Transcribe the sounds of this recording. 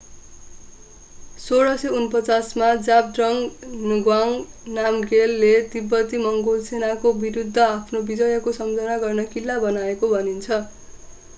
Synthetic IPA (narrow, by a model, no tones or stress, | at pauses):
soɾʌseunpʌt͡sasmad͡zab̚drʌŋnɡwaŋnamɡelːed̪ibːʌt̪imʌŋɡolsenakobiɾud̪ʱːʌapʰnobid͡zʌjʌkosʌmd͡zʌnaɡʌrnʌkilːabʌnaekobʱʌnint͡sʰʌ